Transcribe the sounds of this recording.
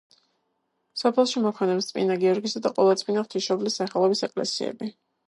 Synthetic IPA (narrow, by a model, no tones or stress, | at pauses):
sɔpʰɛlˠʃimɔpʰχɛnɛpst̪sʼmʼḭnaɡiɔɾɡisad̪aqʼɔlˠat̪sʼpʼinaft̪ʰiʃɔblisːaχɛlˠɔbisɛkʼlɛ̰siɛ̰bi